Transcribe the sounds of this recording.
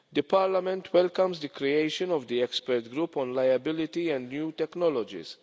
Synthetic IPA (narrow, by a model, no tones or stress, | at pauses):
d̪əpɐɾlɐmɛ̃nt̪wɛlkɐ̃mzd̪ikɾiejʃɔ̃nɔvd̪iɛkspɛɾt̪ɡɾuːpɔ̃nlɐjɐbɪlɪt̪iɛ̃nd̪njuːt̪ɛknɔlɔd͡ʒḭs